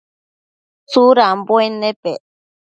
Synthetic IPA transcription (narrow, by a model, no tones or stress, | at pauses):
suɾambwenepe